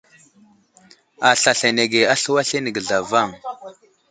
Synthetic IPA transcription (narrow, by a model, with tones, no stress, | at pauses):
a˨ɬa˨ɬa˨ne˨ɡe˨a˦ɬu˦wa˦ɬe˦nə˨ɡə˨ɮa˨va˦˨ŋ